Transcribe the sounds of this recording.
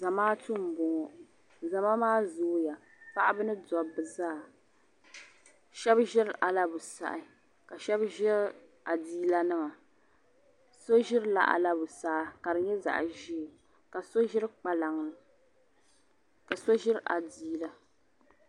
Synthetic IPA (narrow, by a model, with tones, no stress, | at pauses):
za˨maː˦tʊ˦m̩˨bʊ˨ŋɔ˨ | za˨ma˦maː˦zoː˦ja˨ | pa˦ʔa˦bɨ˦nɨ˦dɔ˨bɨ˨zaː˦˨ | ʃɛ˦bʒɪ˦ɾʔa˨la˦bʊ˨sa̰˨ʔɪ˨ | ka˨ʃɛ˦bʒɪ˦ɾ | a˨diː˦la˦nɨ˦ma˨ | so˦ʒɪ˦ɾɨ˦la̰˨ʔa̰˨la˦bʊ˨saː˦˨ka˨ɾɨ˨ɲɛ˦za̰˨ʔʒi˦e˨ | ka˨so˦ʒɪ˦ɾɨ˦k͡pa˨la˨ŋlɨ˨ | ka˨so˦ʒɪ˦ɾʔa̰˨diː˦la˦